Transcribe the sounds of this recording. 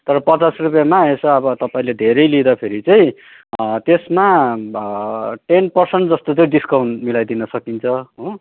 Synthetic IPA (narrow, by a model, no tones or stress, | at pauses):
t̪ʌɾʌpʌt͡sasrupjamaesʌʌbʌt̪ʌpaĩled̪ʱeɾʌjlid̪apʰeɾit͡sʌj̃ | t̪esma | ʈenpʌrsʌɳʈd͡zʌst̪ot͡sʌĩɖiskawɳmilajd̪inʌsʌkint͡sʰʌɦũ